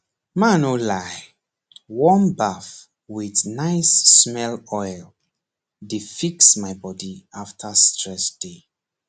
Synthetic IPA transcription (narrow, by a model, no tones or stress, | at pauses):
mãnolaɪ | wɔ̃nbaf | wiθnaɪsːmɛlɔjl | difiksmaɪbɔdiaftʰastʰɹɛsd̥e